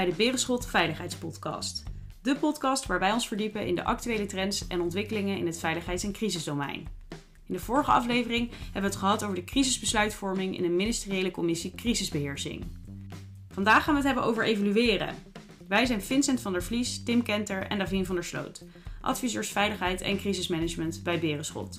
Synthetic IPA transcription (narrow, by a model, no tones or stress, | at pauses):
ɛjdəbɪːrəsχɵlˠtfɛjləχɦɛjtspɔtkɑ̰st | dəpɔtkɑstʋaːɹʋɛjɔnsfəɹdipənʔɪ̰ndə̰ʔɑ̰k̚tyʋejlətrɛntsɛnɔntʋɪkəlɪŋənɪ̰nɦətfɛjləχɦɛjtsɛnkrizəzdowmɛ̰jn | ɪndəvʊːɹəχəɑ̰flejvərɪŋɦɛbəʋətχəɦɑtowvəɹdəkrizəzbəslœɥtfɔɹmɪŋɪ̰nənmɪnɪstɪriejləkɔmɪsikrizɪzbəɦɪːɹsɪ̰ŋ | v̥ɑndaːχːaːnʋəətɦɛbənʔo̰wvəɹʔejvolyʋɪːrə̰ | ʋɛjzɛjnfɪnsɛntfɑndəɹflistɪmkɛntəɹɛ̰ndavinvɑndəɹslo̰wt | ʔɑ̰tfizøːɹsfɛjləχɦɛjtɛ̰nkrizɪsmɛnəd͡ʒməntbɛjbɪːrəsχɔ̰t